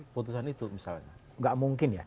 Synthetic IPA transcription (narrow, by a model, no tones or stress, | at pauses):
put̪usanit̪umisa̰lɲa | ŋɡaʔmuŋkɪnja̰